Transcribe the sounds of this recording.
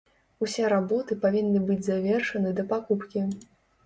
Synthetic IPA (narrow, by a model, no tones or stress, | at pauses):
usʲɛɾabɔt̪ɨpavʲinːɨbɨd͡zʲzavʲɛrʂɐnɨd̪ɐpakupkʲi